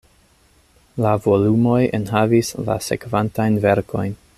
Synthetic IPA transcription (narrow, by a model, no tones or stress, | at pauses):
lavo̞lumo̞jḛnɦavisla̰se̞̰kvantajnve̞ɾko̞jn